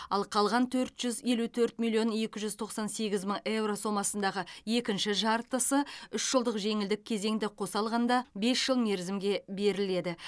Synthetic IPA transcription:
ɑ̰lˠqʰɑlˠʁɑnt̪ʰɵɾt̪ʒ̥ʏzje̞lut̪ʰɵɾt̪milʲjo̞nje̞kʲɪʒʏzt̪ʰo̞qsɑnse̞ɡʲɪzməɴe̞wɾo̞so̞mɑsənd̪ɑʁəje̞kʲɪnʃɪʒɑɾt̪əsəʏʃʒ̥əlˠd̪əqʒe̞ŋɪld̪ɪk̚ʲʰːe̞ze̞ŋd̪ɪqʰo̞sɑlˠʁɑnd̪ɑbe̞sʒ̥əlˠme̞ɾzɪmɡʲe̞be̞ɾɪle̞d̪ɪ

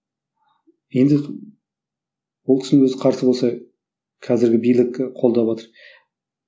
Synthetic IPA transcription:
je̞nd̪ɪ | wolˠʲʰɪ̥snenwɵzɪqʰɑɾsəbo̞lsɑ | qʰɑzɪɾɡʲɪbijlɪkʲqʰo̞lˠd̪ɑwɑt̪əɾ

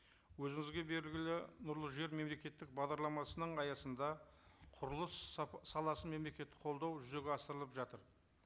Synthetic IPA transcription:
wɵzɪŋɪzɡʲe̞be̞ɾɪlɡʲɪlɪnʊɾlˠəʒe̞ɾme̞mle̞kʲe̞t̪ːɪk̚bɑʁd̪ɑɾlˠɑmɑsənəɴɑjɑsənd̪ɑ | qʰʊɾəlˠəsːɑlˠɑsəme̞mle̞kʲe̞t̪ːɪ̥qʰo̞lˠd̪ɑwʒʏze̞ɡʲeɑsəɾəlˠəpʒɑt̪əɾ

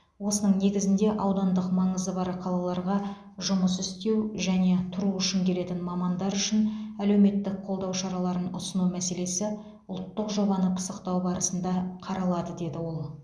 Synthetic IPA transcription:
wo̞sənəɴne̞ɡʲɪzɪnd̪e̞ʔɑwd̪ɑnd̪əqmɑɴəzəbɑɾqʰɑlˠɑlˠɑɾʁɑ | ʒʊməsʏst̪e̞wʒæne̞t̪ʰʊɾuʏʃɪŋkʲʰe̞le̞t̪ɪnmɑmɑnd̪ɑɾʏʃɪnæle̞wme̞t̪ːɪk̚qʰo̞lˠd̪ɑwʃɑɾɑlˠɑɾənʊsənumæse̞le̞sɪ | ʊlˠt̪ːəqʒo̞bɑnəpʰə̥səqt̪ɑwbɑɾəsənd̪ɑqʰɑɾɑlˠɑd̪əd̪e̞d̪ɪwo̞lˠ

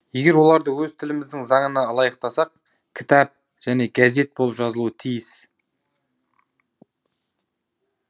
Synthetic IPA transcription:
je̞ɡʲe̞ɾwo̞lˠɑɾd̪əwɵzt̪ʰɪlɪmɪzd̪ɪŋzɑɴənɑlˠɑjəqt̪ɑsɑq̚ | kʲʰɪ̥t̪ɑp̚ | ʒ̥æne̞ɡaze̞t̪̚bo̞lˠəpʒɑzəlˠuət̪ʰijɪs

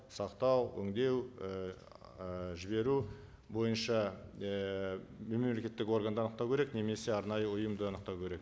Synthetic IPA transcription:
sɑqt̪ɑwɵ̰ŋd̪e̞w | ʒɪbe̞ɾu | bo̞jənʃɑəme̞mmlekʲe̞t̪ːɪko̞rɡand̪əɑnəqt̪ɑwkʲʰeɾekne̞me̞se̞ɑɾnɑjəʊjəmd̪əɑnəq̚t̪ɑwkʲʰeɾe̞k

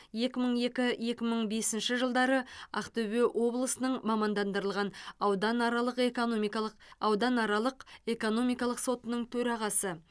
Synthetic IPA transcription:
je̞kʲɪməɴe̞kʲɪje̞kʲɪməɴbe̞sɪnʃɪʒəlˠd̪ɑɾəɑ̰qt̪ɵβe̞ʔwo̞blˠəsənəɴmɑmɑnd̪ɑnd̪əɾəlˠʁɑnɑwd̪ɑnɑɾɑlˠəqkomk̪ˠɑwd̪ɑnɑɾɑlˠəqe̞ko̞no̞mijkɑlˠəqso̞t̪ənəɴt̪ʰɵɾɑʁɑsə

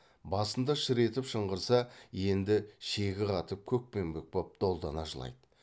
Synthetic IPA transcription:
bɑsənd̪ɑʃɪɾe̞t̪ɪpʃəɴʁəɾsɑje̞nd̪ɪʃe̞ɡʲɪqʰɑt̪əp̚kʲʰɵk̚pe̞mbɪk̚pop̚d̪̥o̞lˠd̪ɑnɑʒəlˠɑ̰jd̪ə

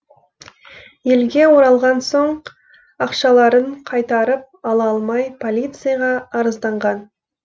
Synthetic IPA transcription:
je̞lɡʲe̞wo̞ɾɑlˠʁɑnso̞ɴ | ɑqʃɑlˠɑɾəɴqʰɑjt̪ɑɾəp̚ɑlˠɑɑlˠmɑjpʰo̞lʲijt̪sɨjɑʁɑːɾəzd̪ɑɴʁɑn

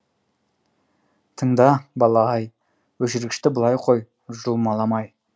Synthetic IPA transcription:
t̪ʰəɴd̪ɑbɑlˠɑɑj | wɵʃɪɾɡʲɪʃt̪ɪbəlˠɑjqʰo̞j | ʒʊlˠmɑlˠɑmɑj

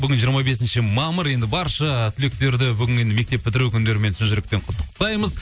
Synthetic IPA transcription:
bʏɡʲɪnʒijəɾmɑbe̞sɪnʃɪmɑməɾje̞nd̪ɪbɑɾʃət̪ʰʏle̞k̚t̪e̞ɾd̪ɪbʏɡʲɪne̞nd̪ɪmekt̪e̞pːʰɪt̪ɪɾukʲʰʏnd̪e̞ɾɪmenɪnʒʏɾekt̪eɴqʰʊt̪ːəq̚t̪ɑjməz

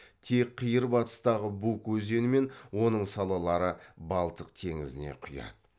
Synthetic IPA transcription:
t̪ʰe̞k̚qʰːijəɾbɑt̪ə̥st̪ɑʁəbukwɵze̞nɪme̞nwo̞nəɴsɑlˠɑlˠɑɾəbɑlˠt̪əqt̪ʰe̞ŋɪzɪne̞̰qʰʊjɑ̰d̪̥ə

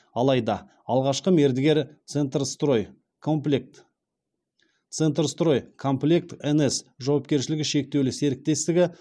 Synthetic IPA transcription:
ɑlˠɑjd̪ɑ | ɑlˠʁɑʃqəme̞ɾd̪ɪɡʲe̞ɾt̪sent̪rst̪ɾojʲ | k̪ | t̪sent̪ɾst̪ro̞jkʰomplʲekt̪enesʒɑwɑp̚kʲe̞ɾʃ̬ɪlɪɡʲɪʃe̞k̚t̪e̞wlɪse̞ɾɪk̚t̪e̞st̪ɪɡʲɪ

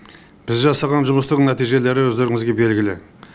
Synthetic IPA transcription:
b̥ɪzʒɑsɑʁɑnʒʊməst̪əqnæt̪ijʒe̞le̞ɾɪwɵzd̪e̞ɾɪŋɪzɡʲe̞be̞lɡʲɪlɪ

